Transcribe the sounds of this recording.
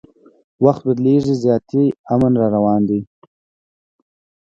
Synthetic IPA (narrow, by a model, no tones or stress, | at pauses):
waxt̪̚bad̪leʐizjɑt̪iamanɾɑɾawɑnd̪i